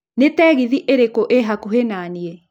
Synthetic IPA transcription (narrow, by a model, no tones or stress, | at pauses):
netɛɣiðiʔeɾekoʔeɦakuɦenaːniɛ